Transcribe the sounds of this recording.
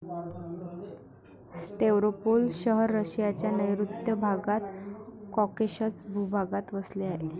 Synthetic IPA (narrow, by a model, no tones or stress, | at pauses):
sʈeʋɾopolɕəɦəɾːəɕjat͡ɕjanəjɾut̪jəbʱaɡat̪kɔkeɕət͡sbʱubʱaɡat̪ʋəsleaɦe